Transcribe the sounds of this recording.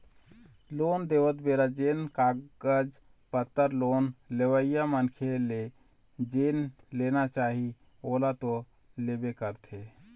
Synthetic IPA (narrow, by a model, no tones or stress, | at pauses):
lond̪eʋət̪beɾad͡ʒenkaɡəd͡ʒ | pət̪ːəɾlonleʋəijamənkʰele | d͡ʒenlenat͡ʃaɦi | olat̪o | lebekəɾt̪ʰe